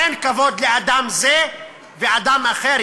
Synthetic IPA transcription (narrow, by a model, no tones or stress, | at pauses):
enkavo̞d̪lead̪amze | vead̪amaχeɾ